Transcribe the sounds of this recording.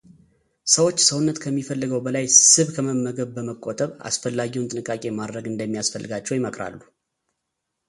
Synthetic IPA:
səwot͡ʃːsəwnːət̪kʰəmːifəlːɨɡəwbəlajsɨβkʰəməmːəɡəβbəməkʼːot̪ʼəβa̰sfəlːaɡiwunt̪ʼɨnɨkʼːakʼe̞mad̪ɾəɡɨnd̪əmːijasfəlːɨɡat͡ʃːɛwjɪməkʰʼɾa̰lːu

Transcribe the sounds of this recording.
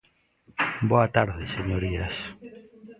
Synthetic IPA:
boat̪aɾðeseɲoɾias

